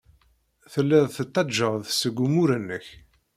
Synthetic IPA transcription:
θəlːɪðˤθət̪ˤːɑd͡ʒːəʁðsəɡʷumuɾənːəç

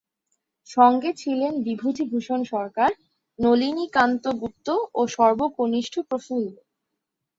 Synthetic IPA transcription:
ʃɔŋɡet͡ɕʰilenbibʱud̪ʱibʱuʃonʃɔɾkaɾ | nolinikant̪oɡup̚t̪ːooʃɔɾboponiʃʈʰopɾoful

